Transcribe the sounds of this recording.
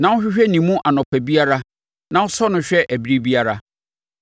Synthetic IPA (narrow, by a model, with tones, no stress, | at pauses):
nã˨˦wɕᶣɪ˦ɕᶣɛ˦nĩ˨mũ˦ʔa˨nɔ̃˨pʰæ˨bi˦a˦ɾa˦ | nã˨ʊ˦sɔ˦nʊ̃˦ɕᶣɛ˦ʔæ˨bi˦ɾi˦bi˦a˦ɾa˦